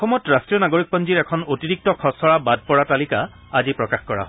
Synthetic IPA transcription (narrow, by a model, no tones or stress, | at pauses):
ɔxɔmɔtɹastɹijɔnaɡoɹik̚pɔnd͡ʒiɹɛkʰɔnotiɹik̚tɔkʰɔsɔɹabad̚pɔɹatalika | azipɹɔkaxkɔɹa̰ɦɔ